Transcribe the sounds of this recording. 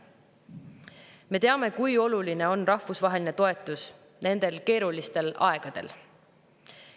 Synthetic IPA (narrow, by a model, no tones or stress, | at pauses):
me̞t̪e̞ɑme̞kujo̞luline̞o̞nrɑhvusvɑɦe̞line̞t̪o̞e̞t̪ːˑus | ne̞nd̪̥e̞lke̞ːɾulist̪e̞lɑ̰e̞ɡ̥ɑd̪̥e̞̰l